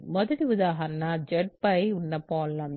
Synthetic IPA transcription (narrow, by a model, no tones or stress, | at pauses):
mɔðɐɽiʊðaːɦɐɾɐnad͡ʒɛʈ̚pɐɪʊnːɐpːoːlːɐm